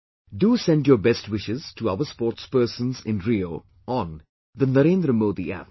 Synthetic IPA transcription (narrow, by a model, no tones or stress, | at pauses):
ɖuːsɛ̃nɖjoːbɛsʈwɪʃɪz̥ʈuaʋəspɔːʈspəːsə̃nzɪ̰̃nɾioː | ɔ̃n | d̪ənəɾẽːnd̪ɾəmoːd̪iʔæ̰